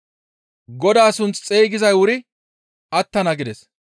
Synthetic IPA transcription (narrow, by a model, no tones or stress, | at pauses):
ɡɔd̪aːsʊnt͡st͡sʼeːɡɪzɐjwʊɾɪ | ɐt̪ːɐnɐɡɪd̪ɛs